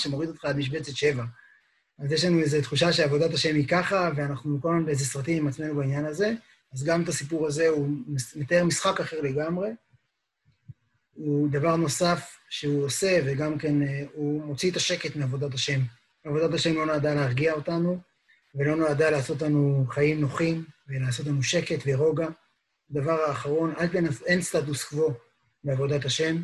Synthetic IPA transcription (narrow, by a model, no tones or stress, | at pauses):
ʃemo̞ʁid̪o̞t̪χaadmiʃbe̞t͡set̪ʃe̞va | azjeʃ̬lanuezet̪χuʃaʃeavo̞d̪at̪aʃe̞mikaχave̞anaχnuko̞lmambeezesʁat̪̬imimat͡sme̞nubainjanaze̞ | azɡamet̪̬asipuʁaze̞umet̪ae̞ʁmisχakaχe̞ʁle̞ɡamʁe̞ | ud̪avaʁno̞safʃeuose̞veɡamke̞numo̞t͡siet̪aʃe̞ketmeavo̞d̪at̬aʃe̞m | avo̞dataʃe̞mlo̞naːdaleaʁɡiaotanu | velo̞naadalaːso̞t̬lanuχaimno̞χimvelaːso̞t̪̬lanuʃe̞ke̞tveʁo̞ɡa | d̪avaʁaːχaʁo̞nʔaltenaenst̪at̪̬uskvo̞ | beavo̞dat̪aʃe̞m